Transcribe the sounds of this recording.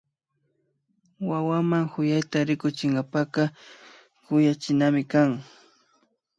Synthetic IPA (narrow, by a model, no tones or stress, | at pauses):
wawamaŋhʊjajt̪aɾɪkʊt͡ʃɪŋɡapakɑ | kʊjat͡ʃɪnamɪkaŋ